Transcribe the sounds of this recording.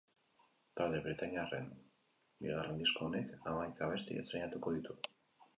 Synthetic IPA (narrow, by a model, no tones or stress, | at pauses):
t̪ald̪e̞βɾit̪aɲiarḛn | bḭɣarend̪isko̞ːne̞kamajkaβe̞st̪ḭḛsɾeɲat̪uko̞ðit̪u